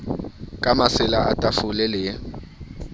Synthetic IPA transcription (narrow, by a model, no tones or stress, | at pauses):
kʼamasɪlaatʼafʊlɛlɪ